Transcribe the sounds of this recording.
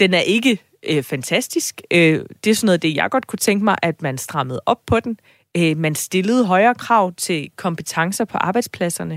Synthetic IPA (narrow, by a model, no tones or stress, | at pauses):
d̥enæɐʔe̝ɡ̥ə | øfænt͡sʰæsd̥isɡ̥ød̥e̝sɒnɔːð̩ˠd̥e̝jɑ̈ɪɡ̥ɒ̽d̥̚kʰut͡sʰeŋɡ̥əmɑ̈ɪʔæd̥mænsd̥ʁɑ̈məð̞̩ˠʔɒ̽b̥̚pʰɒ̽d̥en | ømænsd̥e̝ləð̞̩ˠɦɒ̽ɪɐːkʰʁɑ̈ʊ̰t͡sʰe̝lkʰɒ̽mb̥ət͡sʰɑ̈ŋsɐpʰɒ̽ʔɑ̈ːb̥ɑ̈ɪd̥spʰlæsɐnə